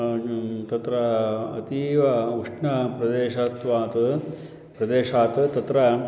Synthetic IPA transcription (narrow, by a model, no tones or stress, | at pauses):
t̪ɐt̪ɾɐɐ̰t̪iːʋɐuʂɳɐpɾɐd̪eːʂɐːt̪ʋaːt̪ɨ | pɾɐd̪eːʂaːt̪t̪ɐt̪ɾɐ